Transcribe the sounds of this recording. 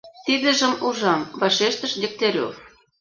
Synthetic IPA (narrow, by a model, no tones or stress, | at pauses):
t̪id̪ə̆ʒə̆muʒɑmvɑʃeʃt̪ə̆ʃd̪ʲek̚t̪eɾʲo̰f